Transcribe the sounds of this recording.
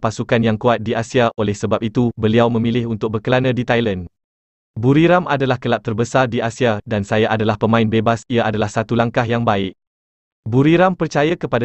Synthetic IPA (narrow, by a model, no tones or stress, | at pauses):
pasukanjaŋkuat̪̚diʔasiaʔolɛhsəbap̚it̪ubəliawmə̃milɪɦunt̪ʊk̚bərkəlanãdit̪ajlan | buɾiɾamʔadalahkəlap̪̚t̪ərbəsardiʔasiadansajaʔadalahpəmãɪnbebasiaʔadalahsat̪ulaŋkaɦjaŋbaɪʔ | buɾiɾampərt͡ʃajakəpada